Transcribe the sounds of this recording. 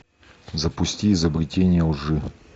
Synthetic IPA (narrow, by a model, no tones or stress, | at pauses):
zɐpʊsʲtʲiːzəbɾʲɪtʲenʲɪjəlˠʐɨ